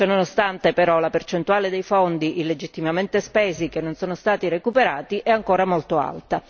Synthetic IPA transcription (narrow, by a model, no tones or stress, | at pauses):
t͡ʃononost̪ant̪epeɾɔlapert͡ʃent̪uaːled̪ejfond̪iʔiled͡ʒit̪ːimament̪espeːzik̟enːonsoːnost̪aːt̪iɾekupeɾaːt̪iʔɛaŋkoːɾamolt̪oa̰lt̪a